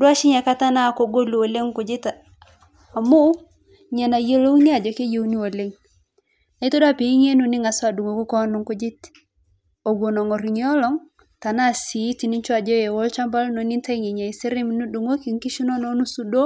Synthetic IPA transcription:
dwa˦ʃɪ˦ɲa˨ka˦ta˦na˦˨ko˦ɡo˦lu˨o˨le˦ŋkʊ˨d͡ʒɪ˦ta˨ | a˨mo˦ | ɲɛ˨na˨je˦lo˦ŋnɪ˦a˨d͡ʒɔ˨ke˦je˦˨wni˦wo˨le˦ŋ | a˨i˦to˦dwa˦pi˨˦ɲe˦nu˨nɪ˦ŋa˨sɔ˦a˨du˨ŋo˨ku˦kɔ˦nʊ˨ŋkʊ˦d͡ʒɪ˦t | o˨ɡwo˨nɔ˨ŋɔ˨ɾi˨ɲi˦ɔ˦lɔ˦ŋ | ta˨na˦˨si˨˦ti˨ni˦ɲt͡ʃwa˨d͡ʒɔ˦je˨wɔ˦lt͡ʃa˦mba˦lnɔ˨ni˦nta˦i˦ŋe˨ɲa˨i˨si˦ɾɪ˦mn˦du˨ŋo˦ki˨ŋki˦ʃu˦nɔ˦nɔ˨˦nu˦su˦do˦

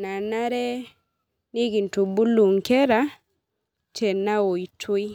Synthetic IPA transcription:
na˨na˦ɾɛ˦ | ni˦ɡi˨ntu˨bu˦lu˨ŋkɛ˦ɾa˦ | t͡ʃe˨na˦wo˨i˨tʰu˦i˦

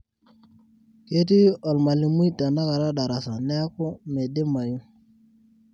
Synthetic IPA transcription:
ke˦t̬i˦o˨lma˨li˨mu˦jta˨na˦ka˨ɾa˦ɗa˨ɾa˨sa˨ne˦a˦ku˦me˨de˦ma˨ju˦

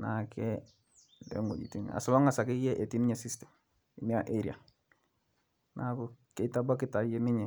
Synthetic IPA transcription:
na˨kʰɛ˦ | lɛ̰˨˦ŋɡo̰˨d͡ʒḭ˨ti˦n̰a̰˨sʊ˨˦ma˦ŋa˨sa˨kɪ˦jɛ˦ʔe˨ti˦nɪ˦ɲɛ˨si˦stɛ˨m | i˨ni˦a˨ʔe˦ɾi˨a̰˨ | na˨kʊ˨kɛ˨˦ta˦ba˦kɪ˦ta˨je˦nɪ˦ɲɛ˨

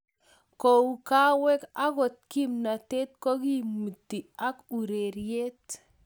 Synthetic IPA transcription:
ko˨u˨ka˦wɛ˦ka˦kɔ˨t̪̚ki˦mna˨t̪e˦t̪̚kɔ˦ki˦mu˨tːi˨a˦ku˨ɾe˨ɾje˦t

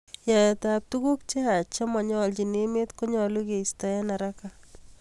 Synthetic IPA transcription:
ja˨jɛ˨tap̚tu˦ku˦k̚t͡ʃe˦a˨t͡ʃa˦mɔ˨ɲɔ˦lt͡ʃi˨ne˦me˦tko˦ɲɔ˨lu˦ke˨ista˨ɛ˦na˨ɾaka

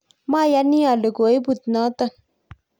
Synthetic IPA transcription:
ma˦˨ja˦ni˦a˨lə˨ɡo˨e˦bu˨t̪̚nɔ˦t̪ə˦˨

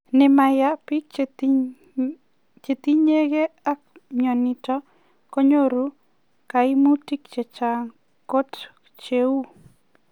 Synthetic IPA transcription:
ne˨ma˨ja˦pi˦k̚ | t͡ʃe˨t̪i˦ɲe˦ke˦a˦k̚mjɔ˨ni˨tɔ˦ | ko˦ɲo˦ɾu˦ | kai˦mu˦ti˦k̚t͡ʃe˨t͡ʃaŋ | ko˦t | t͡ʃeu˦

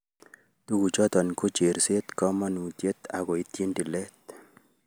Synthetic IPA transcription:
t̪u˦ɡu˨t͡ʃɔ˦t̪ɔ˨nku˦t͡ʃe˨ɾse˦t̪kɔ˦ma˦nu˨t̪je˦t̪a̰˨ɡɔ˨i˨t̪ji˦ndi˨lɛ˦t̪̚

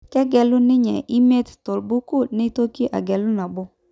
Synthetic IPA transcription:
kɛ˦ɡɛ˨lʊ˦nɪ˦ɲɛ˨ʔi˦me˦t̪tʊ˨lbu˦ku˦˨nɪ˦to˦ki˦ʔa̰˨ɡɛ˨lʊ˦na˨bʊ˦

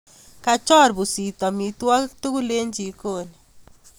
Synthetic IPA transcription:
ka˨t͡ʃɔ˦˨ɾbu˨si˨tɔ˨mi˨twa˦tu˦ku˦le˦ɲd͡ʒi˨ko˦˨ni˨

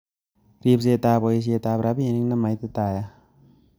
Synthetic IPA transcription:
ɾi˧˨p̚se˧˨t̪aː˧pɔ˧˨i˧s̬i˧˨t̪aː˧pɾa˧˦pe˧ni˦ŋna˧˨ma˨˦jt̪i˧t̪aː˧˩˨ja˧

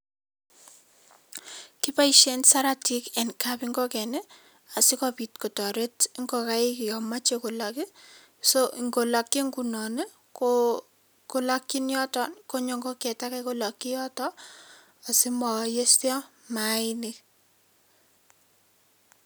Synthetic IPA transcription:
ki˦pa˦iʃe˦nsa˦ɾa˦ti˦kɛ˨nka˦pi˦ŋɡɔ˦kɛ˨ne˦ | a˨si˦kɔpitko˨tɔ˨ɾe˦ti˦ŋɡɔ˨ka˦ɪ˦kijɔ˨ma˦t͡ʃeko˨laki˦ | soʔi˨ŋɡo˨la˨kːi˦ŋɡu˨nɔ˨ne˦ | ko | ko˦la˦kːi˦njɔ˦tɔnko˦ɲo˨ŋɡo˦kɛ˨ta˦kako˦la˨kːi˦jɔ˦tɔ˦ | a˨si˦mɔ˨je˦stjɔ˦ma˨ini

